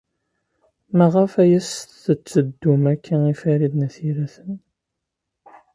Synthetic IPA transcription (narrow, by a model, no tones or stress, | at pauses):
mæʁəfæjəstθət͡sːəd̪ːumækːæifæɾiðnæθiɾæθən